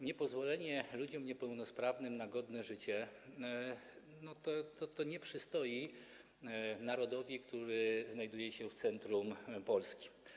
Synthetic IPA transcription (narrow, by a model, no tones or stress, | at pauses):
ɲɛpɔzvɔlɛɲɛlud͡ʑɔmɲɛpɛwnɔspɾavnɘmnaɡɔd̪nɛʐɘt͡ɕɛ | nɔt̪ɔt̪ɔt̪ɔɲɛpʂɘst̪ɔji | naɾɔd̪ɔvʲikt̪uɾɘznajd̪ujɛɕɛft̪sɛnt̪ɾumpɔlskʲi̥